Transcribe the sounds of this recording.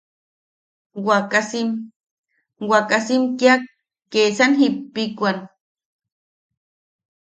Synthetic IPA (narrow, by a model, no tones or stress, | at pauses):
wakasim | wakasimkjak̚ː | esanɦipːikʷan